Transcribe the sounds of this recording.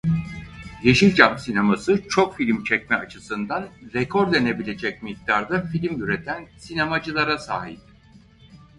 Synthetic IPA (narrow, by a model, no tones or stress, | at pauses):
jeʃilʲd͡ʒamsinemasɯt͡ʃʰokfilʲimt͡ʃʰɛc̚mɛat͡ʃʰɯsɯnd̪anɾekʰo̞ɾd̪enebilʲe̞d͡ʒɛc̚mik̚t̪ʰaɾd̪afilʲimyɾe̞t̪ʰænsinemad͡ʒɯlˠaɾasa̰ːɦḭd̪̚